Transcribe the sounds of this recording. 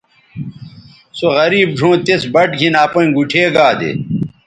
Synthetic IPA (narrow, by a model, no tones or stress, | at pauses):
soɣɐɾiːb̚ɖʱõːt̪esbɐʈɡʱinaːpɐ̃ĩɡuʈʰeːɡaːd̪ḛ